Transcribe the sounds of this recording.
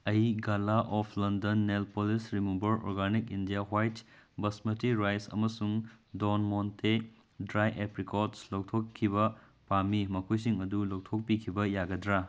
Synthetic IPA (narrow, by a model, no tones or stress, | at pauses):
ɐiɡalaʔɔpʰlɐndɐnːelpolisɾimubɐɾɔ̰ɾɡanikindijaɦwajtbɐsmɐtiɾajsɐ̰mɐsuŋdonmontʰe | dɾajʔepɾikotslow̚tʰokʰːibɐ | pamimɐkʰujs̬iŋɐdulow̚tʰok̚pikʰibɐjaɡɐdɾa